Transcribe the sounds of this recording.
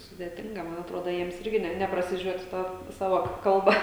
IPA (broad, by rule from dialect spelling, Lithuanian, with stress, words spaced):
sʊdʲeːˈtʲɪŋɡɐ ˈmɐn ɐtˈroːdoː ˈjiɛms ˈɪrʲɡʲɪ ˈnʲɛ nʲɛprɐsʲɪˈʒʲuɔtʲ ˈtɐ ˈsɑːʋɐ ˈkɐlˠbɐ